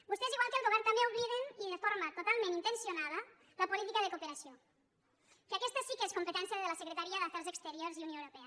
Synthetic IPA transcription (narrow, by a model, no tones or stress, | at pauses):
bust̪eziɣwalˠkəlˠɣuɛɾnt̪ambeuβliðeniðəfoɾmat̪ot̪alˠmẽnint̪ənsionaðə | ləpulit̪ikəðəkupeɾasio | kakɛst̪əsikeskumpət̪ɛnsiəðələsəkɾət̪aɾiaðəfɛɾzəkst̪əɾioɾziunjoeəwɾupɛɐ